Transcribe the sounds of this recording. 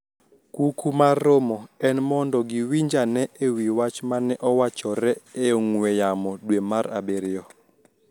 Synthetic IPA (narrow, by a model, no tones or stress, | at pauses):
kukumarːomɔɛnmɔndɔɡiwiɲd͡ʒanɛʔewiwat͡ʃmanɛʔɔwat͡ʃɔɾɛeoŋwɛjamɔdwemaɾa̰beɾɪjɔ